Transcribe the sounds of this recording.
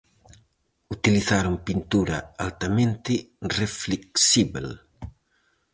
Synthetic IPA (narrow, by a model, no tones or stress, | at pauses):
ut̪iliθaɾoŋpint̪uɾɐ̰alt̪amẽnt̪ɪrefleksiβel